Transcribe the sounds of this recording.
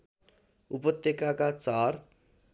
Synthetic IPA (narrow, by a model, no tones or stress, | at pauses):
upʌt̪jekakat͡saɾ